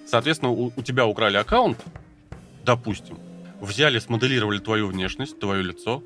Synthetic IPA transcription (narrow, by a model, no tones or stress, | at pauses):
sɐːt̪vʲet̪ʲɪnəʊʊtʲɪbʲaʊkɾalʲɪɐkaʊnt̪ | d̪ɐpusʲtʲɪmvzʲælʲɪsməd̪ɨlʲiɾəvəlʲɪt̪vɐjuvnʲe̞ʂnəsʲtʲt̪vɐjo̞lʲɪt̪so